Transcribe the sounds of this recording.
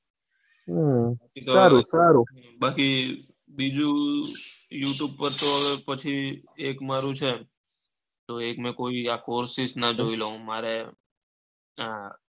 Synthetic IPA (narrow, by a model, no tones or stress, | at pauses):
akit̪oaɾusaɾuɦ | baki | bid͡ʒũ | juʈjub̚pəɾt̪opət͡ʃʰiekmaɾũt͡ʃʰe | t̪oekmẽkoːiakoɾsɪsnəd͡ʒoiloɦũmaɾe | ɦã